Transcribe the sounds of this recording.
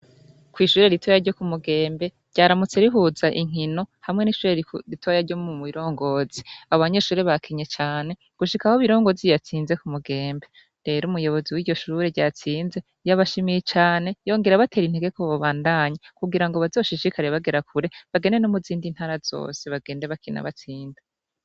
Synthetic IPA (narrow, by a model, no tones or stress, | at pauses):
kwiːʃuːɾe̞ɾituajaɾɟo̞kumuɡe̞ːmbe̞̥ | ɟaːɾamut͡se̞ɾiɦuzaʔiŋ̥ino̞hamŋe̞niʃuːɾeɾitʰuβajaɾɟo̞mumuβiɾo̞ːŋɡo̞ːz̥iaβoβaɲe̞ʃuːɾeβakʰiɲet͡ʃaːne̞ | ɡ̥uʃikahoβiɾo̞ːŋɡo̞zijat͡siːnze̞kumuɡe̞ːmbe̞ | ɾe̞ɾumujo̞βo̞ziwiːɟo̞ʃuɾeɟaːt͡siːnze̞ | jaβaʃimijet͡ʃaːne̞jo̞ːŋɡe̞ɾaβatʰe̞ːɾinheɡekoβoβaːndaɲakuɡiɾaŋɡoβazo̞ːʃiʃikaɾeβaɡe̞ɾakuɾe̞βaɡe̞ne̞nomuziːndin̥haːɾaz̥o̞̰ːse̞βaɡe̞ːnde̞βakina̰βat͡siːnda